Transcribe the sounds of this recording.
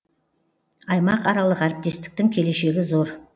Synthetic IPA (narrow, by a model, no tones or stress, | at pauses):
ɑjmɑqɑɾɑlˠəqæɾɪp̚t̪e̞st̪ɪ̥k̚t̪ɪŋkʲʰe̞le̞ʃe̞ɡʲɪzo̞ɾ